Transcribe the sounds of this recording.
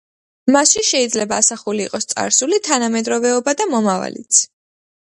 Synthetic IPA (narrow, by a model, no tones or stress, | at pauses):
masʃiʃɛid̪zlɛbaːsaχuliːqʼɔst̪sʼa̰ɾsulit̪ʰanamɛd̪ɾɔvɛɔbad̪amɔmava̰lḭt̪sʰ